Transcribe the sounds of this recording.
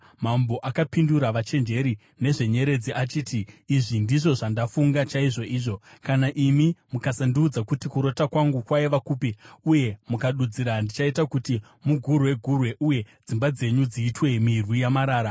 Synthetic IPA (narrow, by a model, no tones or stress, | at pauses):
mambo̞ʔakapinduɾaʋat͡ʃe̞nd͡ʒe̞ɾi | ne̞ʐe̞ɲe̞ɾe̞d͡ziʔat͡ʃiːtiːʐindiʐo̞ʐandafuŋɡat͡ʃaiʐo̞ʔiːʐo̞kanaʔimimukasandiud͡zakutikuɾo̞takwaŋɡukwaiʋakuːpiuje̞mukaɗud͡ziɾandit͡ʃaitakuti | muɡʱuɾuwe̞ɡʱurwe̞ʔuje̞ | d͡zimbad͡ze̞ɲud͡ziːtwe̞mirwijamaɾaːɾa